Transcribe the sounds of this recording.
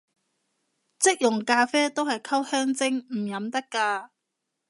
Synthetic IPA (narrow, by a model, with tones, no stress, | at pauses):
t͡sɪ˥k̚jʊ˨˩ŋkaː˧fɛː˥t̪o˥whɐ˨˩jkʰɐ˥whœː˥ŋt͡sɪ˥ŋm̩˨˩jɐ˨˥mt̪ɐ˥kːaː˧